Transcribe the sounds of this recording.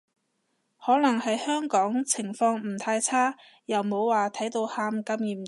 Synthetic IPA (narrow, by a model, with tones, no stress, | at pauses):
hɔː˨˥nɐ˨˩ŋhɐ˨jhœː˥ŋkɔː˨˥ŋt͡sʰɪ˨˩ŋfɔː˧ŋm̩˨˩t̪ʰaː˧jt͡sʰaː˥ | jɐ˨wmo˨˧wːaː˨t̪ʰɐ˨˥jt̪o˧whaː˧mkɐ˧mjiː˨˩m